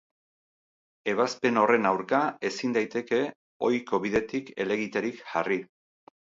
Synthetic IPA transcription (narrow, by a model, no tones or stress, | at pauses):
e̞β̞aspe̞no̞re̞nawɾkae̞sind̪ajt̪e̞ke̞ | o̞jko̞βiðe̞t̪ike̞le̞ɣit̪eɾikʝari